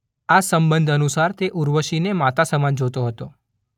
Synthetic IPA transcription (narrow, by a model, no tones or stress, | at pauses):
asəmbənd̪ʱənusaɾt̪eʔuɾʋəʃinemat̪asəmand͡ʒot̪oɦət̪o